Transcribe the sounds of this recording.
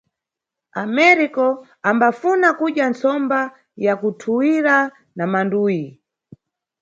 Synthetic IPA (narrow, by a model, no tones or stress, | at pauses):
amɛɾikɔ | ambafunakuɗjant͡sɔmba | jakutʰuwiɾa | namanduːji